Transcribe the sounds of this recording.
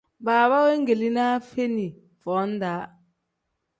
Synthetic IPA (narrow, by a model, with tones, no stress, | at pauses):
baː˨βa˦we˦ŋ˦ɡe˨li˦na˦fe˦ni˨ | v̥ɔ˨˦n˦da˨˦